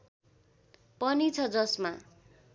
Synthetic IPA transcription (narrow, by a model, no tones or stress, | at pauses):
pʌnit͡sʰʌd͡zʌsma